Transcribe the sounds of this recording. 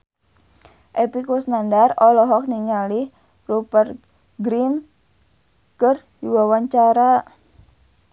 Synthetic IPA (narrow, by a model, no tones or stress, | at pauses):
ʔɛpikɔsnandarɔlɔɦɔk̚niŋalih | rupər | ɡɾin | kər | diwawaɲt͡ʃaɾa